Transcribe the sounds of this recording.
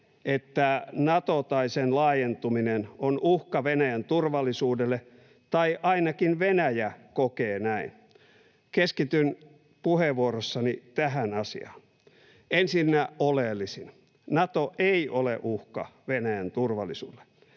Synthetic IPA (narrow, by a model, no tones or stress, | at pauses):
et̪ːænɑt̪ot̪ɑisenlɑːjent̪uminenonʔuhkɑʋenæjænt̪urʋɑlːˑisuːdelːe | t̪ɑiʔɑinɑkinʋenæjækokeːnæin | keskit̪yn | puheʋuorosːɑnit̪æɦænɑsḭɑ̰ːn | ensinːæʔolelːisin | nɑt̪oʔeiʔolḛʔuhkɑ̰ʋenæjænt̪urʋɑlːisṵːelːˑe̥